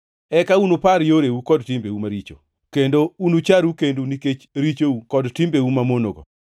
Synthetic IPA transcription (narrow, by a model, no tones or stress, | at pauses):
ɛkaunopaɾjoɾeukɔdtɪmbeumaɾit͡ʃo̰ | kendounut͡ʃaɾukenduniket͡ʃɾit͡ʃoukɔdtɪmbeumamonoɡɔ̰